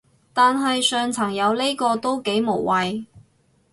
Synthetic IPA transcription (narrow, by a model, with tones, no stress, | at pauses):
t̪aː˨nɦɐ˨jsœː˨ŋt͡sʰɐ˨˩ŋjɐ˨˧wle˥kɔː˧t̪o˥wke˨˥jmo˨˩wwɐ˨j